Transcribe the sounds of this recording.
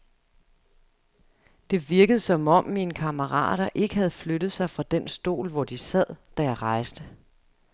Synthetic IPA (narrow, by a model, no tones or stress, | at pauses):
d̥e̝ʋiɐɡ̥əð̞ˠsɒ̽mɒ̽mːinəkʰɑ̈məʁɑ̰̈ːɾ̥ɐʔe̝ɡ̥əhæð̞̩ˠfløɾ̥ð̩ˠsɑ̈ɪfʁɑ̈d̥ensd̥o̝̰ːlʋɒd̥isæð̰ˠd̥æjɑ̈ɪʁɑ̈ɪsd̥ə